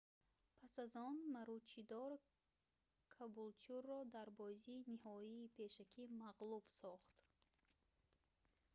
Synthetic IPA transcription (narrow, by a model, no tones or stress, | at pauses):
pʰasazɔnmaɾut͡ʃʰid̪ɔɾ | kʰabult͡ʃurːɔd̪aɾbɔziːnihɔiːpʰe̞ʃakʰimaʁlub̥sɔχt̪